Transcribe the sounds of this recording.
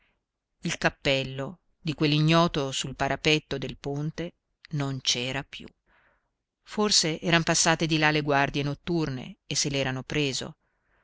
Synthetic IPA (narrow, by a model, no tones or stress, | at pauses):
ilkapːɛlːo | d̪ikwelːiɲːɔːt̪osulpaɾʔapɛt̪ːod̪elpont̪e | nont͡ʃɛːɾapjṵ | forseʔɛːɾanpasːaːt̪ed̪ilaleɡward̪jenot̪ːurnḛːsːelɛːɾanopɾeːzo̰